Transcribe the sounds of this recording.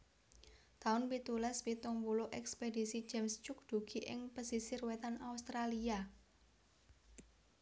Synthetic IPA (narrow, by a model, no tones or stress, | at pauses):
t̪aʊnpit̪ulɛspit̪ʊŋpuloʔɛkspedisi̥d͡ʒ̥ɛmst͡ʃʊk̚d̪̥ṳɡ̥i̤ʔɪ̰ŋpəsisɪrwet̪anaust̪ɾalia